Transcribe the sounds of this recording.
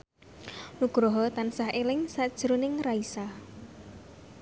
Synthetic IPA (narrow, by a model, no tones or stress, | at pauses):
nuɡ̥ɾɔɦɔt̪ansahelɪŋsad̥ʒ̥ɾonɪŋraisah